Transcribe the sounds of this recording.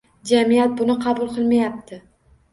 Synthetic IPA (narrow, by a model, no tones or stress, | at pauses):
d͡ʒamijat̪̚bʊnɪqʰɑbʊlˠqʰɨlˠmajap̚t̪ʰɪ